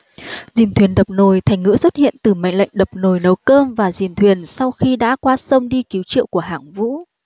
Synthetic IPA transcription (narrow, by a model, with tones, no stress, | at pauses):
zi˨˩mt̪ʰwi˨˩ənɗə˨˩p̚no˨˩jt̪ʰɛ˨˩ŋ̟ŋɨ̰˧˥swə˦˥t̚hḭ˧˨ənt̪ɨ˨˩ma̰˧˨ŋ̟la̰˧˨jŋ̟ɗə˨˩p̚no˨˩jnə˨˦wkəː˧mvaː˨˩zi˨˩mt̪ʰwi˨˩ənsa˧wxi˧ɗa̰ː˧˥kwaː˧sə˧wŋ͡mɗi˧ki˨˦wt͡ɕḭ˧˨əwku˧˩əɦaː˧˩ŋvṵ˧˥